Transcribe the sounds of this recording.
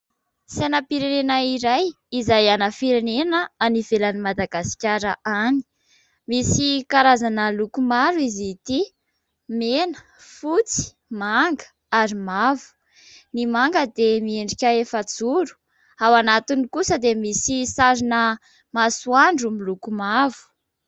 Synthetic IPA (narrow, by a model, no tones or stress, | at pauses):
senapiɾenenaiɾaj | izajanəfiɾenenəanivelənimad̪aɡasi̥kʲaɾəʔani̥ | misikaɾazanəlukumaɾuizit̪i | menə̥ | fut͡si̥ | maŋɡə̥ | aɾimavu̥ | nimaŋɡəd̪emieɳɖ͡ʐikʲaefət͡suɾu̥ | awanat̪inikusəd̪emisisaɾinə | masuaɳɖ͡ʐumilukumavu̥